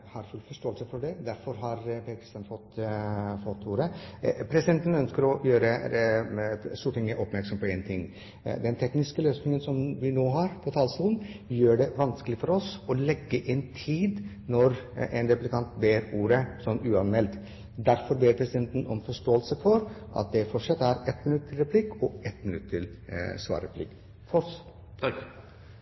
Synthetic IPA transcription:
hɑɾfʉlfɔʂʈoːəlsəfɔɖɛd̪æɾfɔɾɦɑɾpeːkʰɾɪst̪ɑːnfɔt̪ːfɔt̪ʰːuːɾəpʰɾɛsɪd̪ɛnt̪n̩œnskəɾɔjøːɾə | st̪uːʈɪŋːəʔɔpmæɾksɔmpɔeːnt̪ʰɪŋː | d̪ɛnt̪ʰɛknɪskəløːsnɪŋənsɔmʋɪnoːɦɑɾpʰɔt̪ʰɑlsuːlənjøːɖɛʋɑnskəlɪfɔɾɔsɔlɛɡːəʔɪnt̪ʰiːd̪ | nɔɾend̪ɛpʉlt̪ɪkʰɑnt̪beːɾuːɾəsɔnːʉːɑnmɛlt̪ | d̪æɾfɔɾbeːɾpʰɾɛsɪd̪ɛnt̪nɔmfɔʂʈoːəlsəfɔɾʔɑ̰t̪̚d̪ɛfɔʂɑt̪ːæɾɛt̪mɪnʉt̪ːʰɪlɾɛpʰlɪkɔɛt̪mɪnʉt̪ːt̪ʰːɪlsʋɑ̰ːɾɾɛplɪ̰kː | fɔs

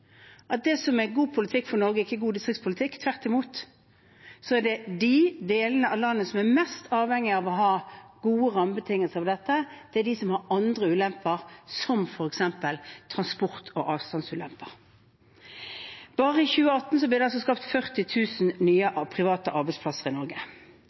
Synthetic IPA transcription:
ʔɑt̪̚d̪ɛsɔmæɡuːpʰʊlɪt̪ʰɪkːfɔnɔɾɡəɪçːəɡuːd̪ɪst̪ʁɪkt̪spʰʊlɪt̪ʰɪkːt̪ʰʋæʁt̪ɪmuːt̪ | sɔæɖɛd̪ɪd̪eːlənəʔɑʋlɑnːəsɔmæmɛst̪ʰɑːʋhɛŋːɪɑʋɔɦɑːɡuːəʁɑmbət̪ʰɪŋːəlsəɑʋd̪ɛt̪ːəd̪̥ɛæd̪ɪsɔmhɑɾɑnd̪ʁəʉːlɛmpəʁsɔmfɔɾɛksɛmpəlt̪ʰʁɑnspʊʁt̪ʰo̰ːʔɑːʋst̪ɑnsʉːlɛ̰mpəʁ | b̥ɑːʁəɪçʉːəɑt̪ːn̩sɔblɪʁd̪ɛɑlsɔskɑːpt̪fœʁt̪ɪt̪ʰʉːsnnyːəʔɑpʰʁɪʋɑːt̪əʔɑɾbɛɪtspʰlɑsəʁɪnɔɾɡə

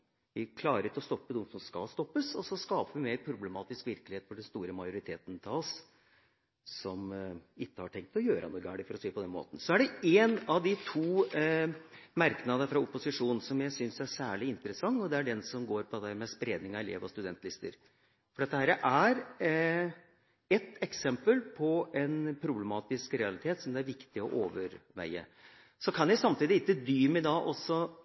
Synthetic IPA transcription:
ʋɪkʰlɑːɾt̪ɔst̪ɔpːəd̪ʊmsɔmskɑ̰lst̪ɔpːəsɔsɔskɑːpəʋɪmeːɾpʰɾʊblɛmɑːt̪ɪskʋɪɾkəlɪheːt̪fɔɖɛnst̪uːɾəmɑjʊɾɪt̪ʰeːt̪ənt̪ʰɑʋɔs | sɔmɪkːəhɑʈʰɛŋk̚t̪ɔjøːɾə̰nuːɡæ̰ːɖɪfɔɾɔsiːpɔd̪ɛnmo̰ːt̪n̩sɔæɖɛeːnɑʋd̪ɪt̪ʰuː | mæɾknɑd̪əfɾɑʊpːʊsɪʂuːnn̩sɔmjæɪsʏnsæsæːɭɪɪnt̪əɾəsɑŋːɔd̪ɛæɖɛnsɔmɡoːɾpʰɔɛd̪æːɾmɛspɾeːd̪nɪŋɑɛlḛːʋɔst̪ʉd̪ɛnt̪lɪst̪ə̰ɾ | fɔɖɛt̪ːəhæːɾəʔæɾ | ɛt̪ːɛksɛmpəlpʰɔɛnpʰɾʊblɛmɑːt̪ɪskɾɛɑlɪt̪ʰeːt̪sɔmd̪ɛæɾʋɪkt̪ɪɔʔoːʋəɾʋæ̰ɪə̰ | sɔkʰɑnjæɪsɑmt̪iːd̪ɪɪkːəd̪yːmɛɪd̪ɑʔɔsːɔ

